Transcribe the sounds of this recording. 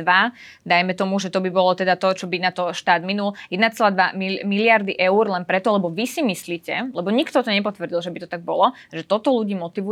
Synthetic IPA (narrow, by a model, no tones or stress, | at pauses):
ʋa | d̪ajmɛt̪ɔmuʒɛt̪ɔbibɔlɔt̪ɛd̪at̪ɔt͡ʃɔbinat̪ɔʃt̪aːd̪minuljɛd̪nat͡sɛlaːd̪ʋamimilɪaɾd̪iʔɛuɾlɛnpɾɛt̪ɔlɛbɔʋisimisliːcɛlɛbɔɲikt̪ɔt̪ɔɲɛpɔt̪ʋr̩ɟilˠʒɛbit̪ɔt̪aɡ̚bɔlɔ | ʒɛt̪ɔt̪ɔluɟiːmɔt̪iʋu